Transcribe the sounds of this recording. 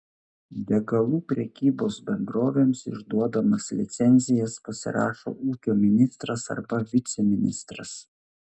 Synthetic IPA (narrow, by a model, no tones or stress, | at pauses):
d̪ʲɛɡɐlˠuːpʲɾʲɛkʲiːboːsbʲɛnd̪ɾoːʋʲeːmsɪ̰ʒd̪uɔd̪ɐmɐslʲɪ̰t̪sʲɛnʲzʲɪjɛspɐsʲɪ̰ɾɑ̰ːʃo̰ːʔuːkʲoːmʲɪnʲɪst̪ɾɐsɐ̰ɾbɐʋʲɪt̪sʲɛmʲɪnʲɪ̰st̪ɾɐ̰s